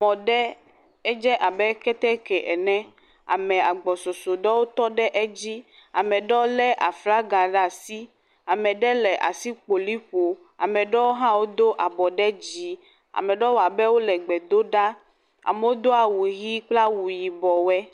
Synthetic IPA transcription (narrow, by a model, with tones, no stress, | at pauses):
mɔ̃˨ɖɛ˦ | ɛ˦d͡ʒɛ˦ʔa˨bɛ˦kɛ˦t̪ɛ˦kɛ˨ʔɛ˨nɛ̃˦ | a̰˨mɛ̃˨a˨ɡ͡bɔ˨so˨so˨ɖɔ˦wo˦t̪ɔ˦ɖɛ˦ʔe˦d͡ʑi˦ | a̰˨mɛ̃˨ɖɔ˦lɛ˦ʔa˨fla˦ɡa˨ɖa˨si˦ | a˨mɛ̃˨ɖɛ˦lɛ˨ʔa̰˨si˦k͡po˨li˦ɸo˨ | a̰˨mɛ̃˨ɖɔ˦wo˦ɦã˦wo˦d̪o˦ʔa˨bɔ˨ɖɛ˦d͡ʑi˨ | a̰˨mɛ̃˨ɖɔ˦wo˦a˨bɛ˦wo˦lɛ˨ɡ͡bɛ˨d̪o˦ɖa˦ | a̰˨mɛ˦wo˦d̪o˦a˨wu˨ɣi˦k͡pla˦wu˨ji˨bɔ˨wɛ˦